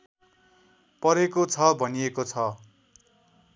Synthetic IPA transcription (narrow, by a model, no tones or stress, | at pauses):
pʌɾekot͡sʰʌbʱʌnijekot͡sʰʌ